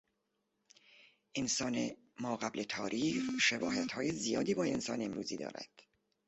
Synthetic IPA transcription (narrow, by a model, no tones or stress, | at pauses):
ʔensɒːne | mɒːɣæblʔet̪ʰɒːɾʔiːʃebɒːhæt̪hɒːjezijɒ̰ːd̪iːbɒːe̞nsɒ̰ːneemɾuːziːd̪ɒ̰ːɾæ̰d̪̥